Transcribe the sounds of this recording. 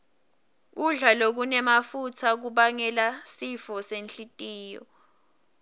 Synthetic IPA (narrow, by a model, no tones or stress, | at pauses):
k̬uɮalok̬unɛmafutʰak̬uɓaŋɛlasifɔsenɬitʼiːjɔ̰